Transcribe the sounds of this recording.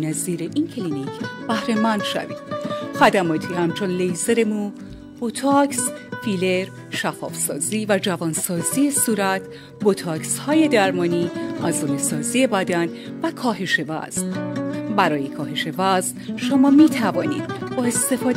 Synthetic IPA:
næziːɾeʔincʰelinicʰb̥æhɾemænd̪̥ʃæ̰vḭːd̪̥χæd̪æmɒːt̪ʰiːhæmt͡ʃʰo̞nlejzeɾemu | b̥ot̪ʰɒksfiːleɾ | ʃæfɒ̰ːfsɒ̰ːziːvæd͡ʒævɒːnsɒːziːjesuːɾæt̪ʰ | bot̪ʰɒːkshɒːje̞d̪æɾmɒːniːʔæzoːnesɒːziːje̞bæd̪æn | vækʰɒːɦe̞ʃe̞væ̰z̥nbæɾɒːje̞kʰɒːɦe̞ʃe̞væznʃomɒːmiːt̪ʰævɒːnḭːd̪̥bɒːest̪e̞fɒːd̪

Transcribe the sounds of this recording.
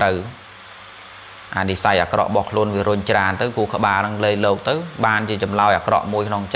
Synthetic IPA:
rəw | ʔanisajʔa̰ːkrɑ̰ʔɓɑhkʰluənʋiəɾʊɲt͡ɕraənt̪ɨwkuəkə̆ɓaːnɨŋleːjlɔːk̚t̪ɨwɓaːnt͡ɕiət͡ɕɑmlaɔjʔa̰ːkrɑ̰ʔmuəjkʰnoŋt͡ɕ

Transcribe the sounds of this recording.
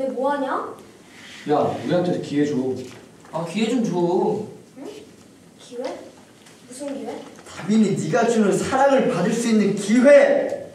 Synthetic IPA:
emoaɲo | jauɾiɦantʰesʰokiwe̞d͡ʑo | akiwe̞d͡ʑomt͡ɕo | kiwe | musʰɯnɡiwetabininiɡat͡ɕʰɯnɯsʰaɾaŋɯɭpadɯɭs͈uinːɯnkiɦwe

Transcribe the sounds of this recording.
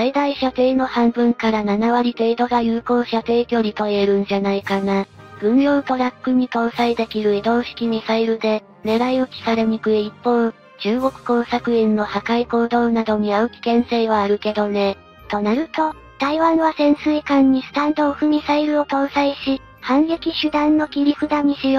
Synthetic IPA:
said̪aiɕat̪e̞ːno̞hãmbɯ̟̃ŋkaɾananaβaɾʲit̪e̞ːd̪o̞ɡajɯːko̞ːɕat̪e̞ːkʲo̞ɾʲit̪o̞ieɾɯ̟̃ɲ̟d͡ʑanaikana | b̥ɯ̟̃ɴɾo̞ːt̪o̞ɾakːɯ̟ɲ̟it̪o̞ːsaid̪e̞kʲiɾɯ̟ed̪o̞ːɕi̥kʲimʲisaiɾɯ̟d̪e̞ | ne̞ɾaio̞kʲi̥kaɾe̞ɲ̟ikɯ̟eipːõ̞ | t͡ɕɨːɡo̞kɯ̟̥ko̞ːsakɯ̟ẽnːo̞hakaiko̞ːd̪o̞ːnad̪o̞ɲ̟iaɯ̟kʲi̥kẽ̞ɰ̃seiβaːɾɯ̟ke̞d̪o̞ne̞ | t̪o̞naɾɯ̟t̪o̞ | t̪aiβãɰ̃βasẽ̞ɰ̃sɨikãɲ̟ːisɨ̥t̪ãnd̪o̞ɸɯ̟mʲisaiɾɯ̟o̞t̪o̞ːsaiɕi | hãŋɡe̞kʲiɕɨd̪ãnːo̞kʲiɾʲiɸɯ̟d̪aɲ̟iɕio

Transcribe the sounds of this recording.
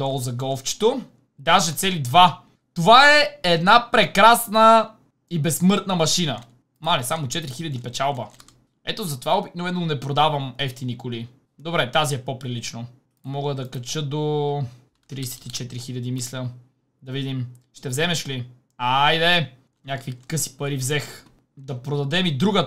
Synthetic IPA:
ɔlˠzɐɡɔlˠft͡ʃi̥t̪o | d̪aʒɛt̪sɛlid̪va | t̪ovaɛːd̪napɾɛkɾasnə | ibɛsːmɤɾt̪nəmɐʃinə | malisamot͡ʃɛt̪ɾixilʲəd̪ipɛt͡ʃalˠbə | ɛ̰t̪ozɐt̪ovaobiknovɛnonɛpɾod̪avəmɛft̪inikʊli | d̪obɾɛt̪aziɛpopɾilit͡ʃno | mɔɡəd̪ɐkɐt͡ʃəd̪o | t̪ɾijsɛ̥t̪it͡ʃɛt̪ɾixilʲɐd̪imislʲə | d̪ɐvid̪imʃt̪ɛvzɛmɛʃli | ajd̪ɛ | ɲʲakkvikɤsi̥pɐɾivzɛx | d̪ɐpɾod̪ɐd̪ɛmid̪ɾuɡə

